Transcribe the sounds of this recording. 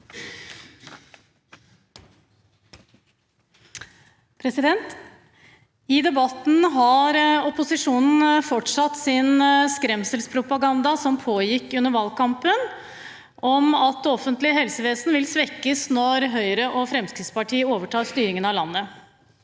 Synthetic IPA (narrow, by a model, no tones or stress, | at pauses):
pʰɾɛsɪd̪ɛnt̪ | ɪd̪ɛbɑt̪n̩ɦɑɾɔpʊsɪʂuːnn̩fɔʈʂɑt̪ːsɪnskɾɛmsəlspʰɾʊpɑɡɑnd̪ɑsɔmpʰoːjɪkːʉnːəɾʋɑːlkʰɑmpən | ʔɔmɑt̪ɔfənt̪lɪɦɛlsəʋeːsnʋɪlsʋɛkːəsnɔɾɦœʏɾəʔɔfɾɛmskɾɪt̪spɑʈʰiːəoːʋəʈʰɑːst̪yːɾɪŋənɑlɑnːə